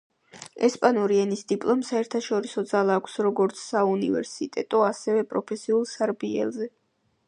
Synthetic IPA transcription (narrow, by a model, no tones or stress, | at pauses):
ɛspʼanuɾiɛnisd̪ipʼlˠɔmsaɛɾt̪ʰaʃɔɾisɔd̪zalˠaːkʷʰsɾɔɡɔɾt̪sʰsaunivɛ̰ɾsit̪ʼɛt̪ʼɔasɛvɛpʼɾɔpʰɛsiulˠsaɾbiɛ̰lˠzɛ